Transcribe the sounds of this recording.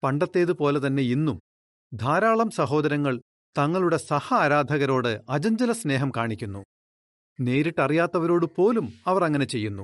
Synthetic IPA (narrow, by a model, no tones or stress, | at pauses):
pɐɳɖɐt̪ːe̞ːðɨpo̞ːle̞t̪ɐnːe̞inːum | d̪ʱaːɾaːɭɐmsɐɦo̞ːd̪ɐɾɐŋːɐɭ | t̪ɐŋːɐɭuɽe̞sɐhɐːɾaːd̪ʱɐɣɐɾo̞ːɽɨɐd͡ʑɐɲd͡ʑɐlɐsne̞ːɦɐmkaːɳikʲːunːu | ne̞ːɾiʈːɐrijaːt̪ːɐʋɐɾo̞ːɽɨpo̞ːlumɐʋɐrɐŋːɐne̞t͡ɕe̞jːunːu